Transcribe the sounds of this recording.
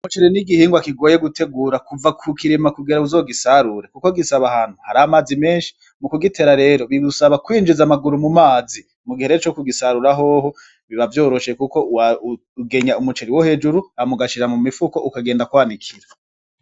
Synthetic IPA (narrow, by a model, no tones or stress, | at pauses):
umut͡ʃeɾiniɡihiːŋɡwakiɡo̞ːjeɡutʰe̞ɡuːɾakuvakʰukiɾimakuɡeɾauzo̞ːɡisaɾuɾekukoɡisaβahan̥huhaɾamaːzime̞ːnʃi̥ | mukuɡitʰe̞ɾaɾe̞ːɾoβiβusaβakwiːnd͡ʒizamaɡuɾumumaːzi | muɡihe̞ɾeːɾot͡ʃokuɡisaɾuɾaɦo̞ho̞ | βiβavjo̞ːɾo̞ʃekukoa | ɡe̞ɲaumut͡ʃeɾiwohe̞ːd͡ʒuɾuamuɡaʃiɾamumifuko̞ʔukaɡe̞ːndakwaːnikʰiɾa